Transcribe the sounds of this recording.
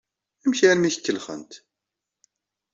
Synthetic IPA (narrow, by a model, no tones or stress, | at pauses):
æmçæɾmiçkːəlχə̰nt̪